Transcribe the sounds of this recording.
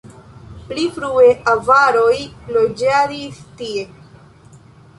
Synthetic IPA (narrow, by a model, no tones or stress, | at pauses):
plifɾue̞ʔavaɾo̞jlo̞d͡ʒaɾistie̞